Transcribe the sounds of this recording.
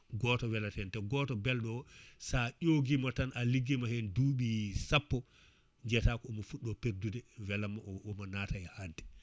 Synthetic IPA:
ɡɔtɔwɛlatɛntɛɡɔtɔbɛlɗɔsaʔoɡimatanʔaliɡːimahɛnduɓisapːɔ | ɲd͡ʒɛtakɔːmɔfuɗːɔpeɾdudɛwɛlamaɔmanaːtajɛhadɛ

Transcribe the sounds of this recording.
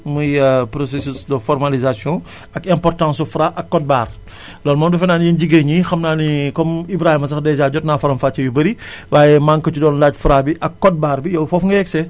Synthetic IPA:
mujəpɾɔsesusdəfɔrmalizasjɔ̃ | ɐkɛ̃mpɔrtãːsufɾaʔɐkːɔt̚baːr | lɔːnmɐmdɐfɛnaːnjinɟiɡeɲixɐmnaːnikɔmibɾaːhimɐs̬ɐxdɛzaːɟɔtnaːfɐɾɐmfaːt͡ʃɐjubɐɾiwaːjɛmaŋkɐcudɔːnlacfuɾabiʔɐkːɔt̚baːɾbijɔwfɔfŋɡɐɛksɛ

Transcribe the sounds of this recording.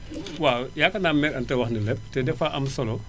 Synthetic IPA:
wawjaːkɐnaːmɛɾɐntɛwɐxnilɛp̚tɛdɛfaʔɐmsɔlɔ

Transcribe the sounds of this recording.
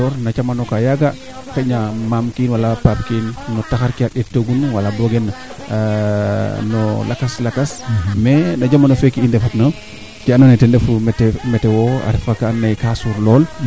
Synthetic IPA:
ɔɾnat͡ʃamanɔkajaɡa | kaɲamamkinwalapap̚kinːɔtaxaɾkiaɗɛtːoɡunwalabɔɡɛn | nɔlakaslakasmɛnɐɟamanofekːiindɛfatna | tiananatɛndɛfumɛtɛmɛtɛwɔa̰ɾɛfakanːajkasuɾlɔːl

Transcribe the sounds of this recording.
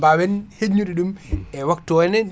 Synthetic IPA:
bawɛnheɲːuɗiɗumɛwaktɔɛnɛɗ

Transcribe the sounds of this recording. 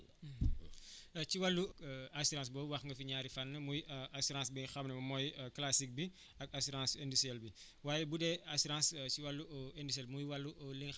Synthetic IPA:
ciwalːuasuɾãːs̬bɔːwɐxŋɡɐfiɲaːɾifanːɐmujʔasuɾãns̬biŋxɐmnəmɐmɔjklasik̚bi | ɐk̚asuɾãːsɛndusiɛlbi | waːjɛbudɛasuɾãnsciwalːuɛndus̬ɛlmujwalːuʔliŋ

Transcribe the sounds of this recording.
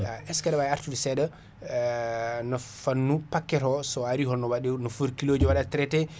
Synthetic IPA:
aʔɛskaɗawaaɾtudɛsɛɗa | nɔfanːupakːɛɾɔsɔaɾihɔnːɔwaɗɛnɔfuɾkiloːd͡ʒuwaɗatɾɛtɛ

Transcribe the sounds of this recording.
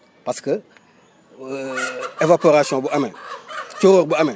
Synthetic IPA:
paskə | evapoɾasiɔ̃buamɛt͡ʃoɾoɾbuamɛ̃

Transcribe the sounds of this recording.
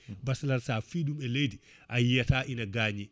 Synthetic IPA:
baslaɾsafiːɗumɛlejdi | ʔajijataːʔinaɡaːɲi

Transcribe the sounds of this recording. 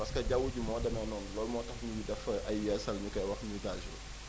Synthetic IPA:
pɐskɐɟawuɟumɔːdɛmɛnɔːnlɔːlmɔːtɐxɲujidɛfɐʔɐjːɛsɐlɲukɛjwɐxmuɡaʒul

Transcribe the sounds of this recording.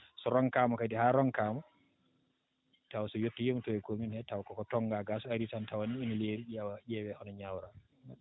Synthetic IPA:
sɔɾɔŋkamɔkadihaɾɔŋkaːmɔ | tawsɔjotːɔjemtɔɛkominhɛtawkɔkɔtɔŋɡaɡasɔaɾitantawaniːnileɾiɗiawajɛwɛʔɔnɔɲawɾa

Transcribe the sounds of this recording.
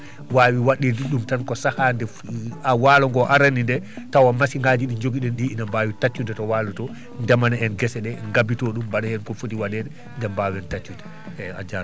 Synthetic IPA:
waːwiwaɗidiɗumtankɔsahandɛ | awaːlɔŋɡɔʔaɾanindɛ | tawamasiŋɡaːd͡ʒiɗiɲd͡ʒoɡiɗɛnɗiːnambaːwitat͡ʃːudɛtɔwaːlutɔ | ndɛmanaɛnɡɛsɛɗɛŋɡabitɔɗumbaɗɛhɛnkɔfotiwaɗɛdɛ | ndɛmbawɛntat͡ʃːudɛ̥ | a̰d͡ʒaɾ

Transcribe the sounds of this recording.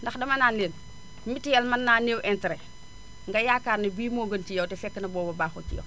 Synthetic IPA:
ndɐxdɐmɐnaːnleːn | mitːijɛlmɐnːaːneːwʔɛntɾɛ | ŋɡɐjaːkaːrnɐbiːmɔːɡəncijɐwtɛfɛkːənɐbɔːbɐbaːxocijɛ̰w

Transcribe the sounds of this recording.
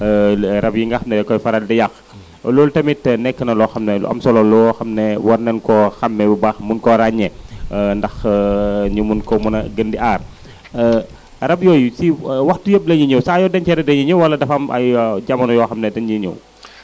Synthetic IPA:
ɾɐbjiŋɡɐxɐmnɛkɔjfɐɾɐldɛjɐx | lɔːltɐmitːnɛkːənɐlɔxɐmnɛlṵɐ̰msɔlɔlɔxɐmnɛwɐɾnɛnkɔxɐmːɛbubaxmunkɔɾaɲːɛndɐx | ɲumunkɔmunɐɡəndiʔaːr | ɾɐbjɔjusiwɐxtujəb̚lɐjiɲɐwsaːjɔdɐnt͡ʃɛɾɛdɐnjiɲɐwɐlːɐdɐfɐmɐ̰jɟɐmɐnjɔːxɐmnɛdɛnjiɲɐ̰w

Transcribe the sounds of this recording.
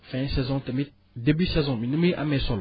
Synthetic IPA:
fɛ̃sɛzɔ̃tɛme | d̪ebisɛzɔ̃mĩnumeʔa̰mɛsɔl

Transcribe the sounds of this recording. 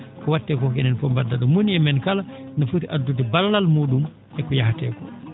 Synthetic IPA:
kɔwatːɛːkɔkɛnɛnfɔmbadːaɗɔmoniɛmɛnkalanɔfutiʔadːutɛballalmuːɗum | ʔɛkɔjahatɛːkɔ

